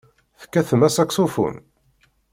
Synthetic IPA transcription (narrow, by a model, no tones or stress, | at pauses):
θə̥kːæθəmæsæksufṵn